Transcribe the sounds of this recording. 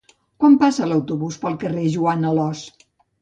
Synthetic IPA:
kwampasələwt̪uβuspəlˠkəreʒuanəlɔs

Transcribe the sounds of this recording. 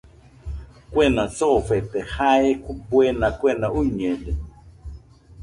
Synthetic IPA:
kwenãt͡sofet̪ehaekbwenãkwenauɲẽle

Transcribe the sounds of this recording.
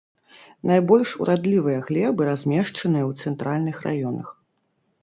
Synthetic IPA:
najbɔlʲʂṵɾʔad̪lʲivɨjɐɣlʲɛbɨɾazʲmʲɛʂt͡ʂɐnɨjɐwt̪sɛnt̪ɾalʲnɨxrʔa̰jɔnɐ̰x

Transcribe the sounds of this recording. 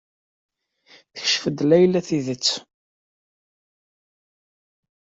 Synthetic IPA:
θə̥çʃfəd̪læjlæθiðət͡sː

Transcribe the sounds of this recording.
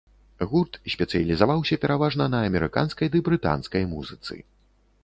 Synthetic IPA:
ɣurt̪sʲpʲɛt̪sɨjɐlʲizavawsʲɐpʲɛɾavaʐnɐnɐːmʲɛɾɨka̰nskɐjd̪ɨbɾɨt̪a̰nskɐjmṵzɨt̪sɨ̰

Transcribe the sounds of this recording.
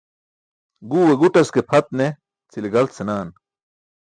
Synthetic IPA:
ɡuːweɡuʈɐskepʰɐt̪̚ne | t͡siliɡɐlt̪senaːn

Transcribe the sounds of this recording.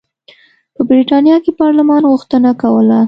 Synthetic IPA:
pəbɾiʈɑnjɑkepɑɾləmɑnɣʊxt̪ənakawəla

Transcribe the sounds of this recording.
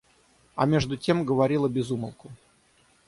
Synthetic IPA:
ɐ̰mʲeʐd̪ʊtʲe̞mɡəvɐɾʲilˠəbʲɪzuməlˠkʊ

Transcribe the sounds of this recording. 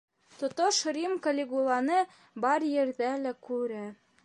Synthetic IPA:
t̪ŏt̪oʃɾimkəlʲeɡulˠɑnɤ | bɑɾjɘ̆ɾðælækʉɾæ

